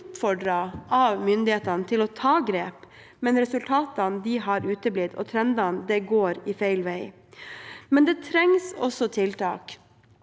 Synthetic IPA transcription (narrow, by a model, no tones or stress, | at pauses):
pfɔɖɾɑʔɑʋmʏnd̪ɪheːt̪ɑnt̪ʰɪlɔt̪ʰɑːɡɾeːp | mɛnɾɛsʉlt̪ʰɑːt̪ɑnd̪ɪɦɑɾʉːt̪əblɪd̪ɔ̰t̪ʰɾɛnd̪ɑnd̪ɛɡoːɾɪfæɪlʋæɪ | mɛnd̪ɛːt̪ʰɾɛŋsɔsːɔt̪ʰɪlt̪ɑ̰ːk